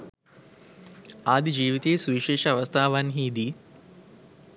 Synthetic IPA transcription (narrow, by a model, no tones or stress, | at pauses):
aːd̪id͡ʒiːʋit̪eːsuʋiʃeːʃɐɐʋɐst̪ʰaːʋanɦiːd̪i